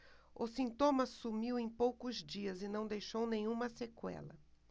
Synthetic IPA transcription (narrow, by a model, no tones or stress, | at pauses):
ʊsĩnt̪õmɐsumiwẽj̃powkʊzd͡ʒiɐzɪnɐ̃w̃d̪ejʃownẽj̃ũmɐsekwɛ̰lɐ̰